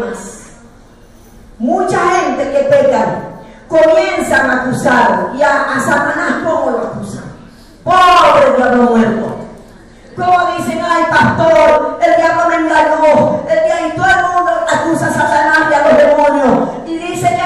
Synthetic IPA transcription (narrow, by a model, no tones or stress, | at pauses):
as | mũt͡ʃaxẽnt̪ekep̪ekakomjensaŋakusaɾoiaːsat̪anahkomoloakusa | poβɾeðjonomweɾt̪o̰ | komoðiseŋajlpast̪oɾeld̪iaβlonẽnaʎoseld̪iait̪oelmũnd̪oakusasat̪anahlealoɦðemõnjo | iðisek